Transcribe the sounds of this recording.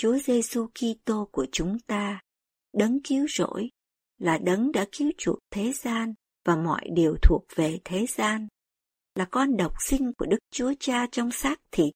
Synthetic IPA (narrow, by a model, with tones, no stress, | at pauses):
t͡ɕu˨˦əze˧su˧ki˧t̪o˧ku˧˩ət͡ɕʊ˨˦ŋ͡mt̪aː˧ | ɗə˨˦ŋki˨˦əwzo̰˧˥j | laː˨˩ɗə˨˦nɗa̰ː˧˥ki˨˦əwt͡ɕu˨˩ək̚t̪ʰe˨˦zaː˧n | vaː˨˩mɔ̰˧˨jɗi˨˩əwt̪ʰu˨˩ək̚ve˨˩t̪ʰe˨˦zaː˧n | laː˨˩kɔ˧nɗə˨˩wk͡p̚sï˧ŋ̟ku˧˩əɗɨ˦˥k̚t͡ɕu˨˦ət͡ɕaː˧t͡ɕɔ˧wŋ͡msaː˦˥k̚t̪ʰḭ˧˨˩